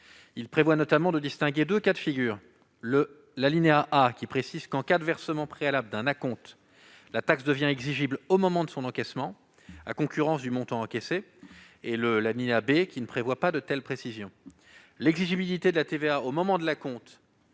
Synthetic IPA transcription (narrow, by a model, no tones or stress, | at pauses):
ilpχevwanɔt̪amɑ̃d̪əd̪ist̪ɛ̃ɡʲed̪økat̪fiɡʲyːʁ | lə | lalineaʔakʲipχesizkɑ̃kad̪vɛʁsəmɑ̃pχealabld̪ɛ̃nakɔ̃t̪ | lat̪aksd̪əvjɛ̃ɛɡziʒiblomɔmɑ̃d̪əsɔ̃nɑ̃kɛsmɑ̃ | a̰kɔ̃kʲyʁɑ̃sd̪ymɔ̃t̪ɑ̃ɑ̃kɛse | eləlalineabekʲinəpχevwapad̪ət̪ɛlpχesizjɔ̃ | lɛɡziʒibilit̪ed̪əlat̪eveaomɔmɑ̃d̪əlakɔ̃t̪